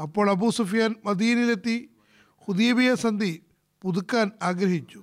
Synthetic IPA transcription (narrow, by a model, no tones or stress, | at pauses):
ɐpːo̞ːɭɐbuːsufijaːnʋɐd̪ijɐnilet̪ːi | kuðijɐbijɐsɐnd̪ʱi | puðukːaːnaːɡɾɐɦit͡ɕːu̥